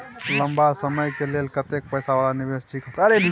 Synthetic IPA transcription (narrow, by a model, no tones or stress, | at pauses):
ləmbasəməjkelelkət̪ek̚pəjsaʋalaniʋesʈʰiːkɦot̪ɐɾem